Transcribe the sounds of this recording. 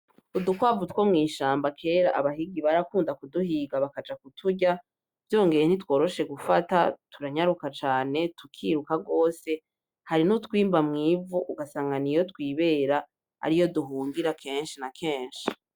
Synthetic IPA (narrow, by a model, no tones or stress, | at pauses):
udukwaːvutwomŋiːʃaːmbakʰe̞ːɾa̰ʔaβaɦiɡiβaɾakuːndakuduhiːɡaβakad͡ʒakutʰuɟa | vjo̞ːŋɡe̞ɾen̥itwo̞ːɾo̞ʃe̞ɡufata̰tʰuɾaɲaɾukat͡ʃaːne̞tukʰiːɾukaɡo̞ːse̞ | haɾinutwiːmbamŋiːvuʔuɡasaːŋɡanijo̞tkwiːβe̞ːɾa | a̰ɾijo̞duɦuːŋɡiɾakʰe̞ːnʃinakʰe̞ːnʃi̥